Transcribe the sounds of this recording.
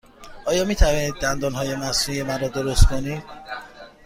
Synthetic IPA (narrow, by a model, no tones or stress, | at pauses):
ʔɒːjɒːmiːt̪ʰæviːniːd̪̚ːænd̪ɒːnɦɒːje̞mæsujemænɾɔːd̪oɾost̪kʰonid̪̥